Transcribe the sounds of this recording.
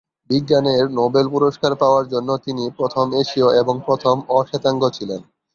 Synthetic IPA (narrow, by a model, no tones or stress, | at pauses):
biɡːaneɾnobelpuɾoʃkaɾpaoaɾd͡ʑonːot̪inipɾot̪ʰomeʃioʔeboŋpɾot̪ʰomɔʃet̪aŋɡot͡ɕʰilen